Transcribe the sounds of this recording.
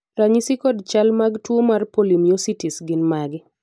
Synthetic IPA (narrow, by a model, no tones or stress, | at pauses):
ɾaɲisikɔdt͡ʃalmaɡtwomarpolimiositisɡɪnmaɡ